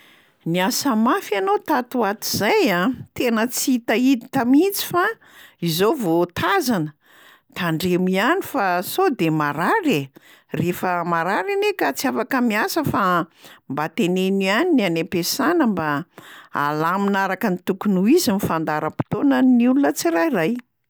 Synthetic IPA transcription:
niasəmafianot̪at̪uat̪iz̥ajat̪enət͡siit̪aid̪it̪amit͡si̥fa | izovot̪ʰazanə | t̪aɳɖ͡ʐemianifasod̪emaɾaɾe | refəmaɾaɾinekat͡siafakəmiasəfambat̪enenianinianepesanəmbaa̰laminaɾakənit̪ukunuizimifand̪aɾəpi̥t̪onəniulunət͡siɾajraj

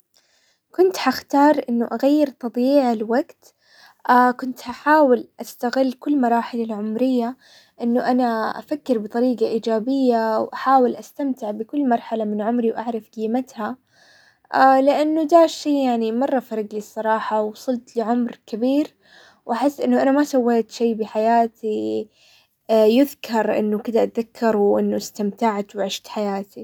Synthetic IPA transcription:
kʊnt̪ħaxt̪ɑːɾˤʔɪnːʊʔaɣajːɪɾt̪ˤɑb̪ˤjiːʕalwaɡt̪ | ʔakʊnt̪haħaːwɪlʔast̪aɣɪlːkʊlːmɑɾˤɑːħɪlalʕʊmɾɪjːa | ʔɪnːʊʔanaʔa̰fakːɪɾbɨt̪ˤɑɾiːɡaʔiːd͡ʒaːbɪjːawʔaħaːwɪlʔast̪amt̪ɪʕbɪkʊlːmɑɾˤħalamɪnʕʊmɾiwʔaʕɾˤɑfɡɪːmat̪ha | lɪʔanːʊd̪aːʃːiːjaʕnimɑrˤːɑfɑɾˤɑɡlisˤːɑɾˤɑːħɑwsˤɨlt̪lɪʕʊmɾkabiːɾ | wʔaħɪsːʔɪnːʊʔanamasawːeːt̪ʃaːbɪħajaːt̪ʰi | jʊðkʰɑɾˤʔɪ̰nːʊkɪd̪aʔat̪ðakʰːɑɾˤwʔɪnːʊst̪amt̪aʕt̪wʕɪʃt̪ħajaːt̪i

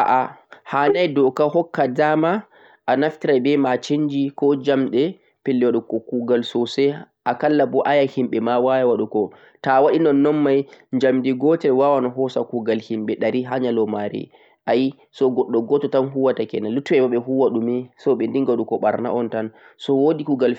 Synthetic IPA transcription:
ʔaʔahanajdɔkaɦɔkːadama | ʔanaftiɾajbɛmat͡ʃiɲd͡ʒikɔd͡ʒamɗɛ | pelːɛwaɗukɔkuɡalsɔsɛ | akalːabɔʔajahimɓɛmawajawaɗukɔ | tawaɗinɔnːɔnmajɲd͡ʒamdiɡɔtɛwawanɔɦɔsakuɡalhimɓɛɗaɾiɦaɲalɔmaɾḭ | ʔaji | sɔɡɔɗːɔɡɔtɔtanɦuwatakɛnalutːuwɛbaɓɛɦuwaɗumɛsɔɓɛndiŋɡwaɗukɔɓaɾna̰ʔɔntan | sɔwodikuɡal

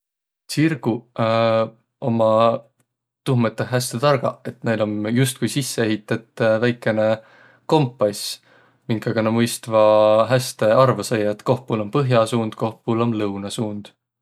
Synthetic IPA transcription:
sirɡ̥u | o̞mɑ | t̪uhmet̪ːˑehɦæst̪et̪ɑrɡ̥ɑ̰e̞t̪ne̞jlo̞mjust̪̚kujsisːee̞ɦit̪ːˑɑt̪ˑːvæjkːˑe̞ne̞ | ko̞mpːˑɑjs | miŋkˑɑɡ̥ɑnɑmɤjst̪vɑɦæst̪e̞ɑrvɑsejɑet̪ko̞hpulo̞mpɤɦjɑsuːnd̪̥ko̞hpulo̞mlɤwnɑsuːnd̪̥

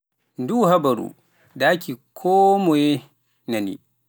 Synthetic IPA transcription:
nduhabaɾṵ | dakikʰɔːmɔjɛ | nanḭ

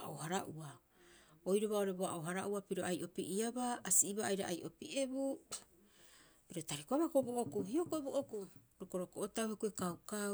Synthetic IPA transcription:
aʔohaɾaʔua | ojɾoβao̞ɾe̞boaʔoɦaɾaʔuapiɾo̞ajʔo̞piʔiabaːsiːβaːjɾa̰ʔajʔopiʔe̞bu | piɾo̞taɾikoaβakoboʔokuhio̞koeboʔoku | ɾoko̞ɾokoʔotawhekuekawka

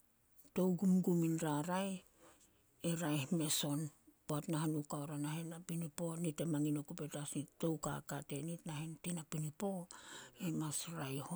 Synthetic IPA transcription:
to̞wɡumɡuminɾaɾaj | eɾajhme̞so̞npoatnaɦanukaoɾanahenapinipo̞nitemaŋinokupe̞tasnitto̞wka̰kate̞nitnahentinapinipo̞emasɾajho

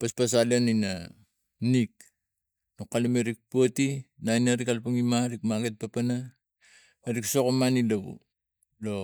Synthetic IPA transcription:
paspas̬alianina | nik | nukːalimeɾik̚puatinajnaɾikalpaŋimaɾikmaɡet̚papana | aɾiksokomanilaβṵ | lo

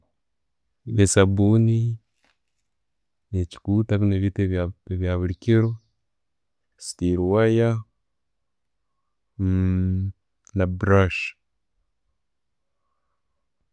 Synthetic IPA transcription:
βesabuni | neci̥kutakuneβiteeβjaβuɾikiɾo | si̥tiɾuwaja | nabɾaʃ

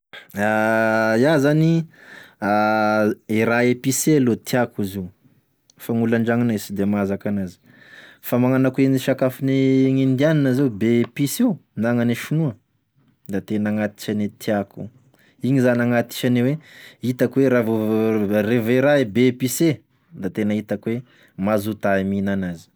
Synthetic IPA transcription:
ajazani | a | iɾaepisealot̪iakuziu | faŋulaɳɖ͡ʐaŋanesid̪emazakanazi̥ | famaŋanakueniʃakafineŋind̪ianinəzeubepisiunaŋaniʃunuə | d̪at̪enaŋat̪i̥ʃanet̪ʰiaku | iɲizanaŋat̪i̥ʃaneweit̪akweɾavoreveɾaebepise | d̪at̪enəit̪akuwe | mazut̪aiminanazi̥

